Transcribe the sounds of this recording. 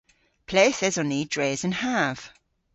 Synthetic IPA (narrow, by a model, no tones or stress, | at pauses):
pʰl̥eːθɛzəniːdɹeːzə̃nhav̥